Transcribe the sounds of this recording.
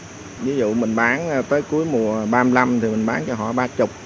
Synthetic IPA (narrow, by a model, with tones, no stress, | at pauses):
vi˨˦zṵ˧˨mï˨˩ŋ̟ɓaː˨˦nː˧t̪əː˨˦jku˨˦əjmu˨˩əɓaː˧mla˧mt̪ʰi˨˩mï˨˩ŋ̟ɓaː˨˦nt͡ɕɔ˧ɦɔ̰˧˨ɓaː˧t͡ɕʊ˨˩k͡p̚